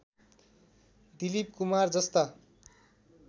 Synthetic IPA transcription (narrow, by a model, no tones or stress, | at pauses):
d̪ilip̚kumard͡zʌst̪a